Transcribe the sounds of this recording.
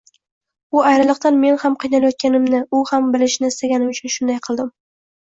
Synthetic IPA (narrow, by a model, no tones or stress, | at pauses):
ʊajɾɪlˠɨq̚t̪anme̞nhamqʰɨjnalajɒt̪̚kʲanɪmnɪʊhambɪlɪʃnɪɪst̪aɡʲanɪmʊt͡ʃʰʊnʃʊnd̪ajqʰɨlˠd̪ɪm